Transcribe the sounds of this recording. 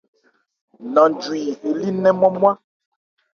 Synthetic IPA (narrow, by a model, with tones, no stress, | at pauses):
nɔ̃˨nd͡ʒwi˨he˨li˦nɛ̃˦mɔ˦mwa˦